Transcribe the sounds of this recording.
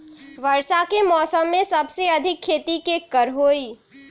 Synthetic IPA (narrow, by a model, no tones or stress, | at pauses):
ʋəɾsakemɔːsəmːẽsɐbseɐd̪ʱɪkʰːeːt̪ikekəɾɦoːiː